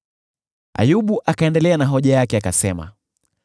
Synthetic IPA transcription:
a̰juɓuʔakaɛndɛlɛanaɦɔʄajakɛakasɛma̰

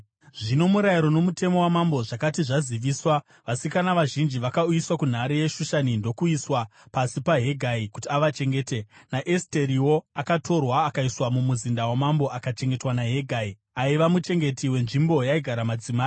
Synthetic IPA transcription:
ʐino̞muɾajiɾo̞no̞mutʰe̞mo̞wamambo̞ʐakatiʐaziʋiːswa | ʋasikanaʋaʒind͡ʒiʋakaujiswakun̤aɾeje̞ʃuʃanindo̞kuiswapasipaɦe̞ɡʱaikutiaʋat͡ʃe̞ŋɡe̞ːte̞naʔeste̞ɾiwo̞akatʰo̞rwaːkaiswamumuzindawamambo̞ʔakat͡ʃe̞ŋɡe̞twanaɦe̞ɡʱai | aiʋamut͡ʃe̞ŋɡe̞tiwe̞nʐimbo̞jaiɡʱaɾamad͡zimaːi

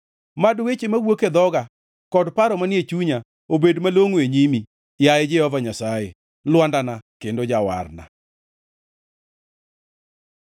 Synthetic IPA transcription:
madwet͡ʃemawoked̪ɔɡa | kɔdpaɾɔmanjet͡ʃuɲa | obedmaloŋweɲimi | jaɛd͡ʒɛhɔvaɲasaje | lwandanakendod͡ʒawa̰rna̰

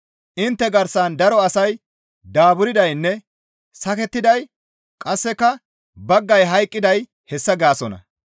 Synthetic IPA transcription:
ʔɪnt̪ːɛɡɐɾsand̪ɐɾɔɐsɐj | d̪aːbʊɾɪd̪ɐjnːɛ | sɐkɛt̪ːɪd̪ɐj | kʼɐsːɛkːɐ | bɐɡːɐjɦɐjkʼːɪd̪ɐj | hɛsːɐɡaːsɔnɐ̰

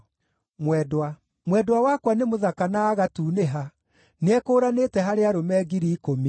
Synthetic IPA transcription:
mwɛdwa | mwɛdwawakwanemoðakanaːɣatuːneɦa | neɛkoːɾanetɛɦaɾeaɾomɛɡiɾiːkomi

